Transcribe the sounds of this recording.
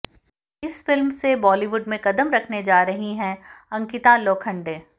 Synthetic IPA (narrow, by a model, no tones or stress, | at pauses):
ɪsfɪlmsebɔːliːʋʊɖmẽkɐd̪əmɾɐkʰned͡ʒaːɾɐɦiɦɛ̃ɐ̃ŋkɪt̪aloːkʰɐ̃ɳɖeː